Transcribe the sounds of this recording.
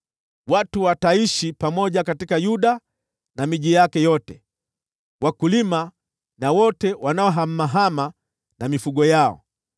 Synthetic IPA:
watuwataiʃipamɔʄakatikajuɗa | namiʄijakɛjɔtɛ | wakulima | nawɔtɛwanaɔɦam̩ːaɦama | namifuɠɔjaɔ̰

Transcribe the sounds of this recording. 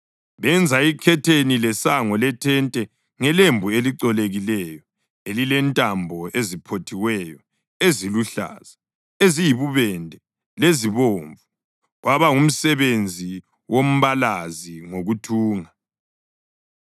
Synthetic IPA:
βɛnd͡zʱaikʰɛtʰenilɛsaŋɔlɛtʰɛntʼɛ | ŋɛlembʱueliǀɔleɣilɛjɔ | elilɛntʼambʱɔʔezipʰotʰiwɛjɔ | eziluɬa̰ːz̥a | ezijiβuβɛndʱɛ | leziβoːɱvu | ɣwaβaum̩sɛβend͡zʱi | wom̩βalaziŋoɣutʰuːŋa

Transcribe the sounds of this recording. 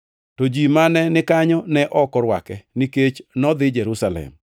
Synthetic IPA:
tod͡ʒimanɛnɪkaɲɔnɛʔɔkɔɾwakɛniket͡ʃnɔd̪ɪd͡ʒɛɾusalɛ̰m

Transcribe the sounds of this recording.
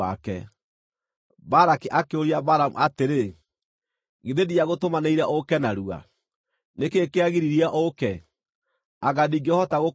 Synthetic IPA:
akɛ | baɾakiʔakeoɾiabaɾamṵʔateɾe | ɣeðediaɣotomaneiɾaʔokɛnaɾua̰ | nekekeaɣiɾiɾiaʔokɛ | aɣadiɡeɔhɔtaɣo

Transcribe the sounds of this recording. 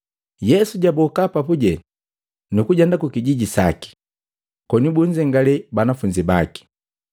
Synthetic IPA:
jɛsuɟabɔkapapuɟɛ | nukuɟandakukiɟiɟisa̰ki̥ | kɔnibuɲd͡ʒɛŋɡalɛbanafuɲd͡ʒibaki̥

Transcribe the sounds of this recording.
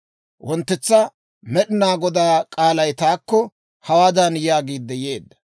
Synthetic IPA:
wʔɔnt̪ːɛt͡sːɐ | mɛɗɪnaːɡɔd̪aːkʼaːlɐjt̪aːkːɔ | hɐwaːd̪ɐnjaːɡiːd̪ːɛje̞ːd̪ːɐ̥

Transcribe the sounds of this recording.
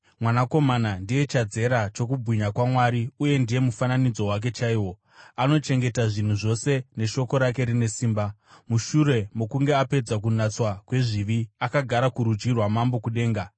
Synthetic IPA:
mwanako̞manandije̞t͡ʃad͡ze̞ɾat͡ʃo̞kubʱiɲakwamwaɾiuje̞ndije̞mufananid͡zo̞wak̬e̞t͡ʃaiːwo̞ | ano̞t͡ʃe̞ŋɡe̞taʐin̤uʐo̞se̞ne̞ʃo̞ko̞ɾake̞ɾine̞siːmbamuʃuɾe̞mokuŋɡe̞ape̞d͡zak̬unat͡swakwe̞ʐiʋiakaɡʱaɾakuɾud͡ʒirwamambo̞kuɗe̞ːŋɡa

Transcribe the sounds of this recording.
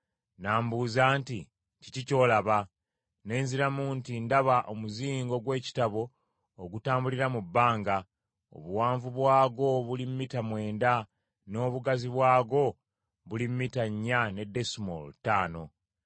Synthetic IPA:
naːmbuːzaːnti | cicico̞ːlaβa | ne̞ːnziɾamuntindaβaʔomuziːŋɡo̞ɡwe̞ːci̥taβo̞ː | ɡutaːmbuliɾamubːaːŋɡa | o̞̰βuwaːɱvuβwaːɡo̞βulimmːitamwe̞ːnda | no̞ːβuɡaziβwaːɡo̞ | βulimmːitaɲːane̞dːe̞smo̰ltaːno̞

